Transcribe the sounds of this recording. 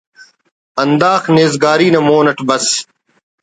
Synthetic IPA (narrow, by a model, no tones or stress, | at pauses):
ɐnd̪aːxneːzɡaːɾiːnɐmoːnɐʈbɐs